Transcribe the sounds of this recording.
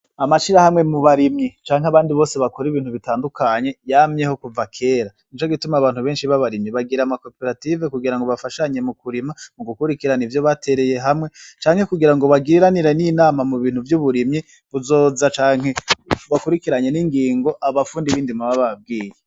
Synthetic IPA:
amaʃiɾahamŋe̞muβaɾimɲit͡ʃaːŋɦaβaːndiβo̞ːse̞βako̞ɾiβiːn̥huβitaːndukʰaɲe̞jaːmɲe̞ho̞kuvakʰe̞ːɾa | int͡ʃoɡitumaβaːn̥huβe̞ːnʃiβaβaɾimɲiβaɡiɾamako̞pe̞ɾative̞kuɡiɾaŋɡoβafaʃaɲe̞mukuɾimamuɡukuɾikiɾanivjo̞βate̞ɾe̞je̞ɦamŋe̞t͡ʃaːŋhe̞kuɡiɾaŋɡo̞βaɡiɾaniɾeninaːmamuβiːn̥huvjuβuɾimɲi | βuzo̞ːzat͡ʃaːŋhe̞βakuɾikiɾaɲe̞niŋɡiːŋɡo̞ʔaβafuːndiβiːndimaβaβab̚ɡiːje

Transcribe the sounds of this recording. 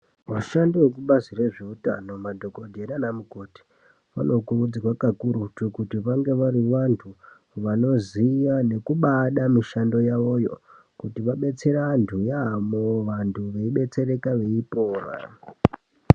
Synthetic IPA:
waʃandiwek̬uɓazire̞ʐeuta̰no̞madʱo̞ko̞dʱe̞ɾanamuko̞ti̥ | ʋa̰no̞kurud͡zirwakakuɾutukutiʋaŋɡe̞ʋaɾiʋantʰu | ʋano̞zijane̞kuɓaɗamiʃando̞jaʋo̞jo̞̰ | kutiʋaɓe̞t͡se̞ɾantʰujamoʋantʰuʋe̞iɓe̞t͡se̞re̞kaʋe̞ipo̞ːra̰

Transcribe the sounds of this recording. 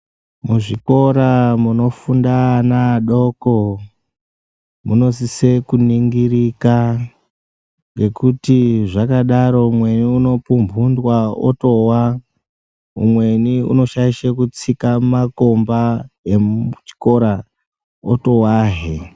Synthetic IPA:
muʐiko̞ɾamuno̞fundanaɗo̞ko | muno̞sise̞kuniŋɡirika | ŋɡe̞kutiʐakaɗaɾo̞mwe̞niuno̞pumbʱundwao̰to̞wa | ṵmwe̞niṵno̞ʃaiʃekut͡sikamako̞mbaeut͡ʃi̥ko̞ɾa | oto̞waɦe

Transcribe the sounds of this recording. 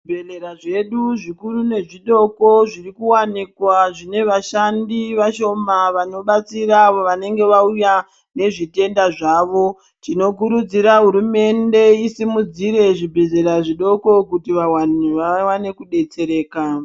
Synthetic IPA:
bʱeleɾaʐe̞ɗuʐikurune̞ʐiɗo̞ko̞ʐirikuwanikwaʐine̞ʋaʃandiʋaʃo̞maʋano̞ɓat͡siraʋoʋane̞ŋɡe̞ʋauja | ne̞ʐite̞ndaʐaːʋo̞ | tino̞k̬uɾud͡ziɾaɦuɾume̞nde̞isimud͡ziɾe̞ʐibʱe̞ze̞ɾaʐiɗo̞ko̞kutiʋawaneʋawane̞kuɗe̞t͡se̞ɾe̞ːka

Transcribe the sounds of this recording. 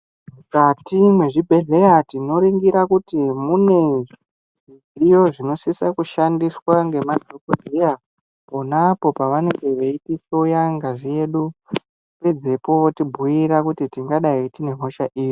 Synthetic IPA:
mukatimwe̞ʐibʱe̞ɮe̞jatino̞ɾiŋɡiɾakutimune̞ | zijo̞ʐino̞sisakuʃandiswaŋɡe̞mad͡zʱokozija | po̞napo̞paʋane̞ŋɡe̞ʋeitiso̞jaŋɡaʐije̞ɗu | ped͡ze̞po̞ʋotibʱujiɾakutitiŋɡaɗaitine̞ɦo̞ʃaʔiːji

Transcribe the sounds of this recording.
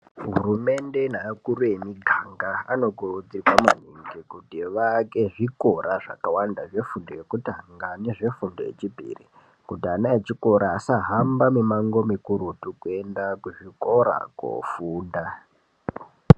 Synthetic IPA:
ɦurume̞nde̞nakuɾuje̞miɡʱaŋɡaa̰no̞ɡʱod͡ziiwama̰niŋɡikutiʋake̞ʐiko̞ɾaʐakawandaʐe̞fundojekutaŋɡaneʐe̞fundo̰jḛt͡ʃibʱḭri | kutianaet͡ʃiko̞ɾaːsaɦambamemaŋɡo̞mikuɾutukue̞ndakuʐikoɾa̰ko̰fuːnda

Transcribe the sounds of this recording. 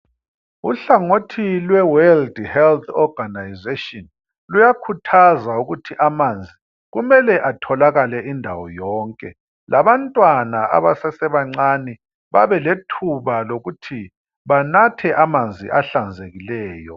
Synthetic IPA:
uɬaŋotʰilwɛwɛldhɛlt̪ʰɔɡanajzetʼɔn | lujakʰutʰazauɣutʰiʔamand͡zʱi | ɣumɛlɛʔatʰɔlaɣalɛʔindʱa̰wɔ̰jɔːŋkʼɛ̰ | laβantʼwanaʔa̰βasɛsɛβaŋ͡ǀani | βa̰βɛletʰuβaloɣutʰi | βanatʰɛʔamand͡zʱḭʔaɬand͡zʱeɣilɛːjɔ

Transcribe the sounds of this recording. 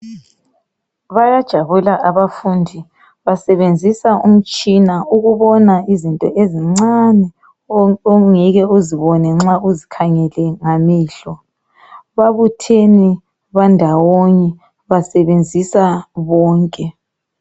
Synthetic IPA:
βajad̥ʒ̥ʱaβulaʔaβafundʱi | βasɛβend͡zʱisaum̩t͡ʃʼinauɣuβɔnaizintʼɔʔeziŋ͡ǀanɛ | ɔŋɛɣɛuziβɔnɛŋ͡ǁauzikʰaŋɛlɛŋamiːɬɔ | βaβutʰeni | βandʱawoɲɛ | βasɛβend͡zʱisaβɔːŋkʼɛ

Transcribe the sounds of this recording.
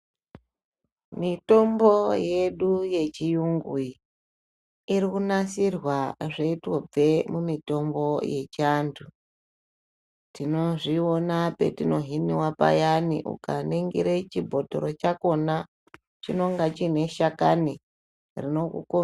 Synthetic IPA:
mito̞mbo̞je̞ɗuje̞t͡ʃijuŋɡui | iɾikunasirwaʐeitwob͡ve̞mumito̞mbo̞je̞t͡ʃantʰu | tino̞ʐionape̞̰tino̞ɦiniwapa̰janḭʔṵkaneŋɡḭɾet͡ʃibʱo̞to̰ɾo̞t͡ʃako̞na | t͡ʃino̞ŋɡat͡ʃine̞ʃakani | rino̞kṵko

